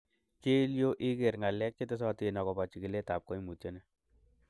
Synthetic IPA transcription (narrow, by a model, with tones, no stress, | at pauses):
ke˦ljo˦ʔi˦ke˨ɾŋa˨lɛ˦k̚t͡ʃe˦te˦s̬ɔ˦ti˦˨nɔ˨kɔ˨pa˨t͡ʃi˨ki˨le˦ta˨p̚ko˦jmu˨te˦nɛ